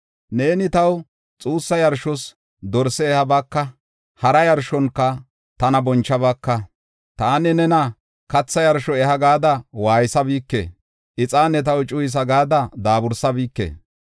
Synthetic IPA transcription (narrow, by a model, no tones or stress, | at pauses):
neːnɪt̪ɐw | t͡sʼuːsːɐjɐɾʃɔs | d̪ɔɾsɛɛhɐbɐkːɐ | hɐɾɐjɐɾʃɔnkːɐ | t̪ɐnɐbɔnt͡ʃːɐβɐkːɐ | t̪aːnɛnɛnɐ | kɐt͡sːɐjɐɾʃɔɛhɐɡaːd̪ɐwaːjɪsɐbiːkːḛː | ʔɪt͡sʼaːnːɛt̪̬ɐwt͡ʃʼʊjɪs̬ɐɡaːd̪ɐd̪aːbʊɾsɐbiːkːḛː